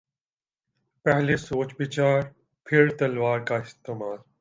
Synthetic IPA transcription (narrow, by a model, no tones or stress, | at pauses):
pɛɦlesoːt͡ʃbɪt͡ʃaːɾ | pʰɪɾt̪ɐlʋaːɾkaɪst̪eːmaːl